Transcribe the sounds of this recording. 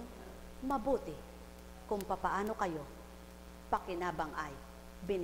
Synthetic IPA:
ŋ | mɐbuːt̪ɪ | kʊŋpapɐʔaːno̞kɐjo̞ | pɐkɪnaːbɐŋʔɐj | bɪn

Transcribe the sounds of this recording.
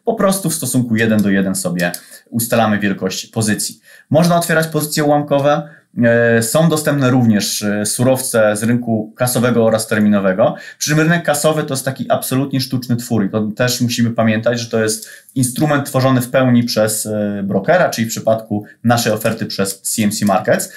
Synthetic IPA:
pɔpɾɔst̪ufst̪ɔsuŋkujɛd̪ɛnd̪ɔjɛd̪ɛnsɔbʲjɛust̪alamɘvʲjɛlkɔɕt͡ɕi̥pɔzɘt̪sʲji | mɔʐnaɔt̪fʲɛɾat͡ɕpɔzɘt̪sʲjɛwamkɔvɛ | sɔ̃w̃d̪ɔst̪ɛmpnɛɾuvɲɛʂsuɾɔft̪sɛzɾɘŋkukasɔvɛɡɔɔɾast̪ɛɾmʲinɔvɛɡɔpʂɘ̥t͡ʂɘmɾɘnɛkːasɔvɘt̪ɔjɛst̪akʲiʔapsɔlut̪ɲɛʂt̪ut͡ʂnɘt̪fuɾit̪ɔt̪ɛʂmuɕimɘpamʲjɛnt̪ad͡ʑʐɛt̪ɔjɛst̪̚ | inst̪ɾumɛnt̪ːfɔʐɔnɘfpɛwɲipʂɛsbɾɔkɛɾat͡ʂɘlifpʂɘpat̪kunaʂɛjɔfɛɾt̪ɘpʂɛsːʲiɛmsʲimaɾkɛt̪s

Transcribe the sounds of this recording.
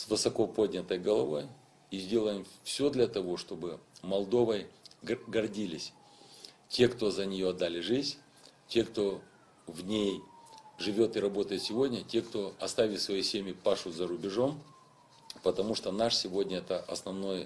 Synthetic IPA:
svɨsɐko̞po̞dʲnʲət̪əjɡəlˠɐvo̞j | izʲdʲe̞lˠəjɪmfsʲo̞d̪lʲɐt̪ɐvo̞ʂt̪o̞bɨmɐlˠd̪o̞vəjɡɐrdʲilʲɪsʲ | tʲe̞kt̪o̞zənʲɪjo̞ɐd̪ːalʲɪʐɨzʲ | tʲe̞kt̪o̞ | vnʲejʐɨvʲo̞t̪ɨɾɐbo̞t̪əjɪt̪sʲɪvo̞dʲnʲətʲe̞kt̪o̞ɐst̪avʲɪlʲsvɐjesʲemʲjɪpaʂʊt̪zɐɾʊbʲɪʐo̞m | pət̪ɐmuʂt̪onaʂsʲɪvo̞dʲnʲəɛt̪əʔɐsnɐvno̞j

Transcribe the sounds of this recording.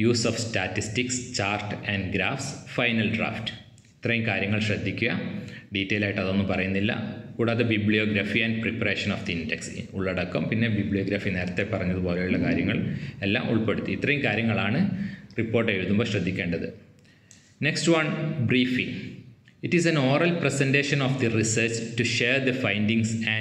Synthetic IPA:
juːsoːfstaːtːistikst͡ɕaːrtɐnɖɡɾaːfsfɐjnɐlɖra̰ːft | it̪ːrɐjumkaːɾjɐŋːɐɭɕrɐd̪ʱːikʲːuɣɐɖiːtːejilaːjiʈːɐðo̞nːɨpɐrɐjunːilːɐ̰kuːɽaːðebibɭijoːɡɾafiɐnɖɨpripɐre̞ːʂɐnoːfd̪ɐindeksuɭːɐɽɐkːɐmpinːe̞bibɭijoːɡɾaːfine̞ːɾɐt̪ːe̞pːɐrɐɲːɐðubo̞ːlejuɭːɐkaːɾjɐŋːɐɭe̞lːa̰ːmʔṵɭpe̞ɽut̪ːiit̪ːrɐjumkaːɾjɐŋːɐɭaːɳɨripːo̞ːrʈːeɻuðumboɕrɐd̪ʱːikʲːeːɳɖɐðɨ | ne̞kstwɐnbriːfiŋ | itisɐnoːrɐlpresende̞ːʂɐnofd̪irisɐːt͡ɕtuʃeːrd̪ɐfɐjndiŋsæ

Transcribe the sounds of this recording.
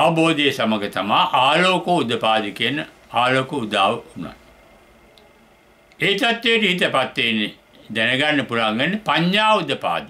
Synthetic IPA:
aʋɐboːd̪ejːsaməɡət̪amaːʔaːloːkoud̪əpaːd̪ikiənə | aːloːkəud̪aːʋəuna̰t̪ | eit̪at̪ːejːʈəɦit̪əpat̪ːeːnːe | d̪ænəɡanːəpulaŋɡenːepaɲjaːʋud̪əpa̰ːd̪i

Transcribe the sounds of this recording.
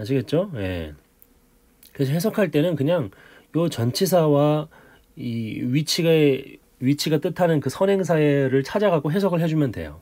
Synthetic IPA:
aɕ̬ʰiɡe̞t̚t͡ɕ͈oje̞̰ | kɯes̬ʰoɦe̞s̬ʰokʰaɭt͈e̞nɯnkɯɲaŋ | jot͡ɕʌnt͡ɕʰis̬ʰawa | iɥit͡ɕʰiɡe | ɥit͡ɕʰiɡat͈ɯtʰanɯnkɯsʰʌne̞ŋs̬ʰaeɾɯɭt͡ɕʰad͡ʑaɡaɡoɦe̞sʰʌɡɯɭɦe̞d͡ʑumjʌndwe̞̰jo̰

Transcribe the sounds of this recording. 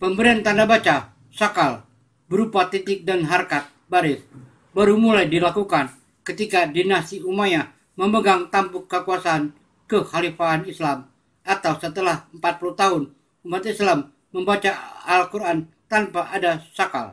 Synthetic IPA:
pəmbəɾiant̪andabat͡ʃa | sakal | bəɾupat̪it̪ɪk̚danɦarkat̪̚baɾɪs | baɾumulajdilakukan | kət̪ikadinast̪iumaja | məməɡaŋt̪ampʊkːəkuasaːn | kəxalifaːnislam | ʔat̪awsət̪əlahəmpat̪̚pulut̪aɦʊn | umat̪islamː | əmbat͡ʃaalkuɾan | t̪anpaʔadasaka̰l

